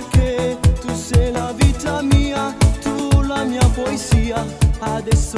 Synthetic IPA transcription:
ɾket̪uselavit̪ɐmiɐt̪ulɐmĩɐpoeziɐad̪es

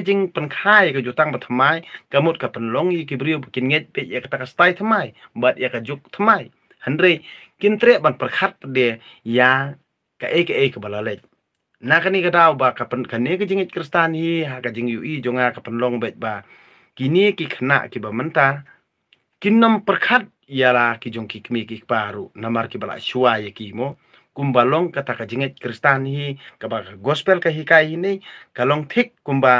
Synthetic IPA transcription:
d͡ʒiŋpankʰaːjkajut̪aŋbat̪ʰmajkamut̪̚kapənlɔŋjik̬ibɾiəwbakinŋɛc̚bɛc̚ʔakat̪akast̪ajt̪ʰəmajɓaːt̪̚ʔɛkad͡ʒuk̚t̪ʰəmaj | hənrɛj̚kint̪ɾɛəʔɓanprkʰat̪̚paɗɛə | jaː | kaʔejkaʔekaɓalalɛc̚ | naːkanikadawbakapnkaniəkad͡ʒiŋɛc̚krist̪anjiɦakad͡ʒiŋjuʔiːd͡ʒɔŋaːkapanlɔŋbɛc̚ba | kinikikʰəna̰ʔkibamənt̪a | kinɔmpərkʰat̚jalakid͡ʒɔŋkikəmikikʰpaɾuʔnamarkibala̰ʔsuajəkimɔ | kumbalɔŋkat̪akad͡ʒiŋɛt̚kɾist̪anhikabakaɡɔspɛlkaɦikajhinijkalɔŋt̪ʰik̚ːumba

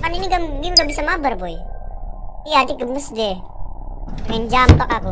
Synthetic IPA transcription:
kaniniɡaɡimɡabisamabarboj | ijaadɪɡəməsdɛ | mɛnd͡ʒamt̪ɔkaku

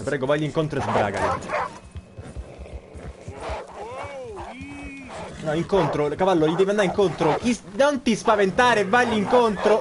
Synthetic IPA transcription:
pɾɛːɡovajliŋkont̪ɾoezbɾa̰ːɡa̰ḭ | nɔiŋkont̪ɾolkavalːolid̪ɛviand̪aɾiŋkont̪ɾokinont̪ispavent̪aːɾevːajliŋkont̪ɾo

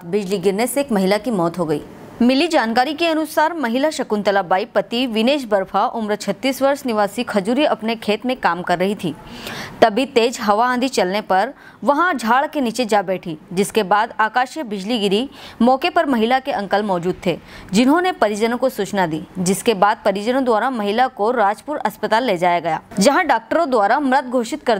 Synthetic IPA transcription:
bɪd͡ʒliɡɪɾneseːkmɐɦɪlakimɔːt̪ɦoɡɐḭː | mɪlid͡ʒaːnkaːɾikeɐnʊsaːɾmɐɦɪlaʃɐkunt̪əlabaːipɐt̪iʋɪneːʃ̬bɐɾfʰaʔʊmɾt͡ʃʰɐt̪ːiːsʋɐɾʃnɪʋaːsikʰɐd͡ʒuːɾijɐpnekʰeːt̪mẽkaːmkɐɾːɐɦit̪ʰiːt̪ɐbʱit̪eːd͡ʒɦɐʋaãnd̪ʱit͡ʃɐlnepɐɾ | ʋɐɦãd͡ʒʱaːɭkenit͡ʃed͡ʒabɛːʈʰid͡ʒɪskebaːd̪aːkaːʃjəbɪd͡ʒliɡɪɾimɔːkepɐɾmɐɦɪlakeʔɐ̃ŋkəlmɔːd͡ʒuːd̪̚t̪ʰeːd͡ʒɪnɦõnepɐɾjəd͡ʒənõkosuːt͡ʃnad̪iːd͡ʒɪskebaːd̪̚pɐɾjəd͡ʒənõd̪waːɾamɐɦɪlakoɾaːd͡ʒpʊɾɐspət̪aːlːed͡ʒaːjaɡɐjaːd͡ʒɐɦãɖaːk̚ʈəɾõd̪waːɾamɾət̪̚ɡʱoːʃɪt̪kɐɾ

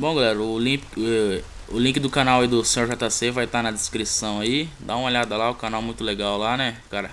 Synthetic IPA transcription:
bõɡalɛɾɐʊlĩpkɛ | ʊlĩkɪd̪ʊkanawaid̪ʊsẽoɾʒat̪asevajt̪anɐd̪ɪskɾisɐ̃w̃aid̪aũmɐoʎʲad̪ɐlaʊkanawmũj̃t̪ʊleɡawlanɛkaɾɐ

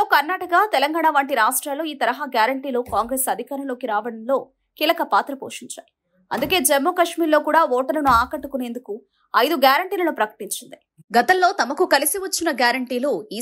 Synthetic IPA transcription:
oːkɐɾnaːʈɐkat̪ɛlɐŋɡaːɳaʋaːɳʈiɾaːʂʈɾaːlo̞ːiːt̪ɐɾɐɦaːɡjaːɾɐɳʈiːlukaːŋɡɾeːsɐd̪ʱikaːɾɐmlo̞ːkiɾaːʋɐɽɐnlo̞ː | kiːlɐkɐpaːt̪ɾɐpoːʂiɲt͡ʃa̰ːji | ɐ̰nd̪uke̞ːd͡ʒɛmːoːkɐʂmiːɾlo̞ːkuːɽaːɔːʈɐlɐnuaːkɐʈːukune̞ːnd̪uku | ɐjd̪uɡjaːɾɐɳʈiːlɐnupɾɐkɐ̥ʈiɲt͡ʃind̪i | ɡɐt̪ɐmlo̞ːt̪ɐmɐkukɐlisiʋɐt͡ʃːinɐɡjaːɾɐɳʈiːluiː

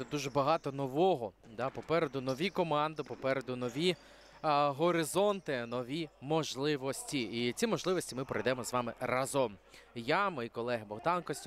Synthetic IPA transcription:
d̪uʒɛbɐɦɑt̪ɔnɔʋɔɦɔd̪ɑpɔpɛɾed̪ʊnɔʋʲikɔmɑnd̪ɪpɔpɛɾed̪ʊnɔʋʲi | ɦɔɾɪzɔnt̪ɪnɔʋʲimɔʒlˠɪʋɔsʲtʲiit͡sʲimɔʒlˠɪʋɔsʲtʲimɪpɾɔ̰jd̪ɛmɔzʋɑmɪrɑzɔmjamɔjikɔlˠɛɦɪbɔɦd̪ɑnkɔsʲtʲ

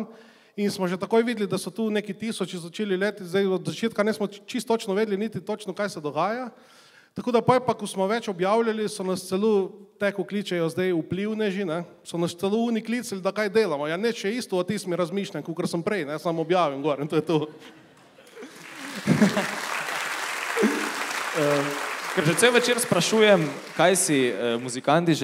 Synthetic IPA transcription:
n | insmɔʒɛt̪akoːjʋiːd̪lid̪asɔt̪uːnekit̪isɔt͡ʃizɔt͡ʃeːlileːt̪izd̪ejɔd̪zat͡ʃeːt̪kanɛsmɔt͡ʃist̪ːoːt͡ʃnɔʋeːd̪linit̪it̪ot͡ʃnɔkajsɛd̪ɔɡaːja | t̪akoːd̪apɔjpakɔsmɔʋɛt͡ʃɔbjawlʲalisɔnast̪sɛlot̪ɛkukliːt͡ʃɛjɔzd̪ejupliwnɛʒinɛsɔnast̪sɛlouːnikliːt̪sialid̪akajd̪eːlamɔjanɛt͡ʃɛist̪ɔɔt̪iːsmiɾɐzmiːʃlʲamkokəɾsəmpɾɛjnɛjsamɔbjaːʋimɡɔːɾɛnt̪oːjɛt̪oː | əkɛɾʃɛt̪ewʋɛt͡ʃeːɾspɾaʃuːjɛmkajsiəmuzikant̪iʒ

